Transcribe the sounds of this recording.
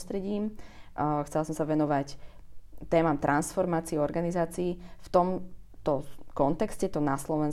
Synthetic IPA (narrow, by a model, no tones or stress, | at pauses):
st̪ɾɛɟiːm | xt͡sɛlasɔmsaʋɛnɔʋac | t̪ɛːmamt̪ɾʔansfɔɾmaːt͡siɛɔɾɡanizaːt͡siːft̪ɔmt̪ɔkɔnt̪ɛkscɛt̪ɔnaslɔʋɛn